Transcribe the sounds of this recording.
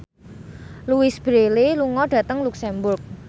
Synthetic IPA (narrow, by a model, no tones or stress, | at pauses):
luwɪsb̥ɾeliluŋɔɖ̥ä̤t̪əŋluksɛmbʊrk̚